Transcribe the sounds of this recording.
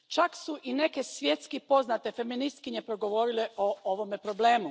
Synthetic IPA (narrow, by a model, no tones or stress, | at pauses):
t͡ʃaksuʔine̞ke̞sʋje̞t̪skipo̞znat̪e̞fe̞minist̪kiɲepɾoɡo̞ʋo̞ɾileooʋo̞mepɾo̞ble̞ːmu